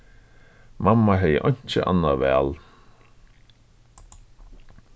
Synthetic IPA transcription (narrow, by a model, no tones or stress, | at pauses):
mamːaɦɛjə̰ʔɔjɲ̥t͡ɕəʔa̰nːaʋɛ̰ːl